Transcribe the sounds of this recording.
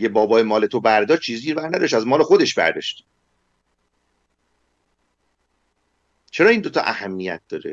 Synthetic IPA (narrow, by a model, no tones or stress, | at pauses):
ebɒːbɒːjemɒːle̞t̪ʰobæɾd̪ɒːʃ̚t͡ʃʰiːziɾbæɾnæd̪ɒʃt̪æzmɒːle̞xo̞d̪e̞ʃbæ̰ɾd̪ɒ̰ːʃt̪ | t͡ʃʰeɾɒːiːnd̪ot̪ʰɒ̰ʔæ̰hæmːijæ̰t̪̚d̪̥ɒːɾḛ